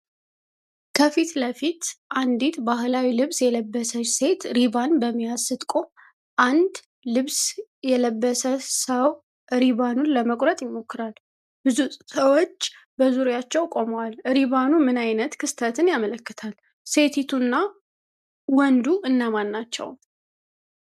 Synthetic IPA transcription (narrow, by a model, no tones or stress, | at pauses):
kʰəfit̪ləfit̪ʔand̪it̪bahlawilɨβsjɛləbːəsəse̞t̪ɾiβanbəmːijazsɨt̪ʼkʼo̞m | ʔand̪ | lɨβsjɛləbːəsəsəw | ɾiβanunləməkʼɾət̪ʼjɪmːo̞kːɨɾal | bɨzusəwot͡ʃː | bəzuɾjat͡ʃːɛwkʼo̞məwalɾiβanumɨnajnət̪kʰɨst̪ʰət̪ʰɨnjamələkːɨt̪ʰal | se̞t̪ʰit̪ʰunːa | wɔnd̪uɨnːəmanːat͡ʃːɛ̰w